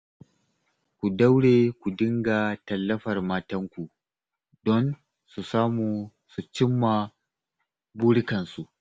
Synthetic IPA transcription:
kʷu˨da˦wɽeː˨kʷu˨dɪ˦ŋɡa˨tɐ˨lːɐ˦ɸɐ˨rmaː˦tɐ˦ŋkʷu˨ | dɔ˦n | su˨saː˦muː˨ | su˨t͡ʃɪ˦mːa˨ | buː˦ɽɪ˦kɐ˨nsu˨ʔ

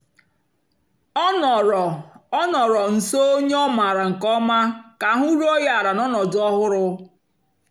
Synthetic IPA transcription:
ɔ˦n˨˦nɔ˨ɾɔ˨n̩˨so˦o˦ɲe˦ɔ˦ma˨ɾa˨ŋ̩˨kɔ˦ma˦ka˨˦ɦu˦ɾu˦ɔ˦ja˦a˨ɾa˨nɔ˦nɔ˨dɔ˦ɦʊ˦ɾʊ˦

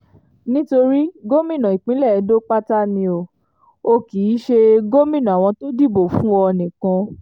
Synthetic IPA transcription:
nĩ˦to˧ɾi˦ɡo˦mĩ˦˨nã˨i˨k͡pĩ˨˦lɛ˦˨˧do˦k͡pa˦ta˦mĩ˧o˨ | o˧ki˨˦ʃe˧ɡo˦mĩ˦˨nã˨a˨w̃ɔ̃˧to˦di˦˨bo˨fũ˦ɔ˧nĩ˨kã˧

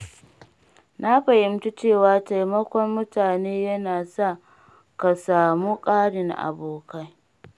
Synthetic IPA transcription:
na˦ɸɐ˨hɪ˦mtu˦t͡ʃeː˦˨waː˨ta˨jmɐ˦kʷɔ˦mːʊ˦taː˨neː˦jɐ˦naː˨sa˦˨ | ka˨saː˨mu˦kʼaː˦ɽɪ˨ŋʔa̰˨boː˨ka˦j

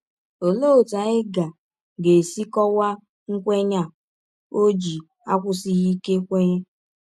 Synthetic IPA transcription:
o˨lo˦˨ta˨ɪ˦ɡa˨ | ɡe˨si˦kɔ˦wa˦ | ŋ̩˦kʷe˦ɲa˦ | o˦d͡ʒi˨ | a˦kʷʊ˦si˦ɣi˦ke˦kʷe˦ɲe˦

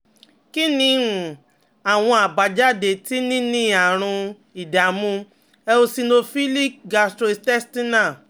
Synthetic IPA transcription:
ki˦nĩ˧ũ˨ | a˨w̃ɔ̃˧a˨ba˨d͡ʒa˦˨de˨ti˦nĩ˦nĩ˦a˨ɾ̃ũ˧ | i˨da˨mũ˧˦ | ɛ˧o˧si˧nõ˧fi˦li˦˨ɡa˧˨stɾo˧tɛ˦sti˦nã˦˨

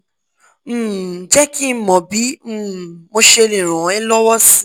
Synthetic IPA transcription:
m̩˦˨˦d͡ʒɛ˦ki˦mɔ̃˨bi˨˦m̩ː˦˨mo˧ʃe˧lĩ˨ɾ̃ã˨ɛ˦lɔ˦wɔ˦si˦

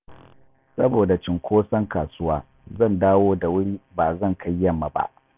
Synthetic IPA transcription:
sɐ˦boː˨da˨t͡ʃɪ˨ŋkʰʷoː˦sɐ˦ŋkaː˨sʊ˦waː˦ | zɐ˦˨ndaː˦woː˦da˨wʊ˦ɽiː˦ba˨zɐ˦˨ŋka˦jːɐ˦mːa˨ba̰˦ʔ

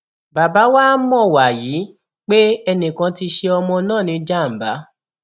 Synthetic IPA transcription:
ba˨ba˨˦waː˦mɔ̃˦˨wa˨ji˨˦ | k͡pe˦ɛ˧nĩ˨kã˧ti˧ʃe˧ɔ˧mɔ̃˧nãː˦˨nĩ˨˧˦d͡ʒa˦˨m̩˨ba˨˦

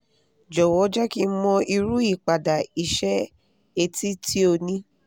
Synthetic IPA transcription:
d͡ʒɔ˨wɔ˨˦d͡ʒɛ˦ki˦˧˦mɔ̃˧i˧ɾu˦i˦˨k͡pa˨da˨i˧ʃɛ˦ | e˧ti˦ti˦o˧nĩ˦

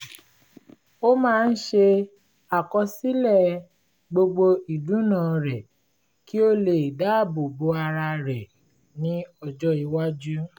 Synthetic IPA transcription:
o˦mãː˦˧n̩˦ʃe˧ | a˨kɔ˧si˦lɛ˦˨ | ɡ͡bo˧ɡ͡bo˧i˨dũ˨˦nã˨ɾɛ˨ | ki˦o˦le˨i˨da˨˦˨bo˨bo˨˦a˧ɾa˧ɾɛ˨ | nĩ˦ɔ˧d͡ʒɔ˦i˨˧˦wa˦d͡ʒu˦

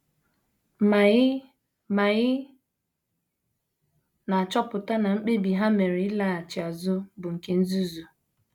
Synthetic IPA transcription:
ma˨ɪ˦ | ma˨ɣɪ˦ | na˨t͡ʃɔ˦pʊ˨ta˦na˨ŋ͡m̩˦k͡pe˦bi˨ɦa˦me˨ɾe˨ɪ˦la˦a˨t͡ʃɪ˨a˨zʊ˦bʊ˨ŋ̩˨ke˦n̩˦zu˦zu˨

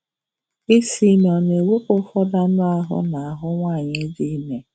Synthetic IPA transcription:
i˦si˨nɔ˨ne˨we˦kʊ˦fɔ˦da˦nʊ˦a˦ɦʊ̰˦na˨a˨ɦʊ˦ŋʷa˦˨ɲɪ˦di˦me˨

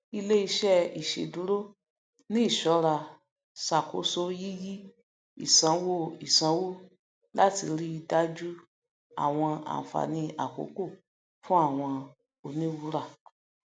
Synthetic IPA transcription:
i˧le˦i˧ʃɛ˦i˨ʃḛ˨dũ˨˦ɾo˦ | nĩ˦i˦˨ʃɔ˨˦ɾa˨ | sa˨ko̰˨˦so˧ji˦ji˦ | ḭ˨sã˨˧wo˦i˨sã˧˦wo˦ | la˦ti˧ɾi˦˧da˦d͡ʒu˦ | a̰˦˨w̃ɔ̃˧a̰˨fa̰˨nĩ˧a˨ko̰˨˦ko˦˨ | fũ˦a˦˨w̃ɔ̃˧ | o˨nĩ˦wu˦ɾa˦˨

